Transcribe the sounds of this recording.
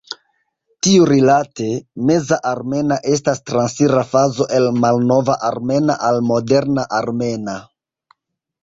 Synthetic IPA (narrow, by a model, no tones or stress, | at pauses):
tiuɾilate̞me̞zaʔaɾme̞naʔe̞s̬tastɾansiɾafazo̞ʔe̞lmalno̞vaʔaɾme̞na̰ʔalmo̞de̞ɾnaʔaɾme̞na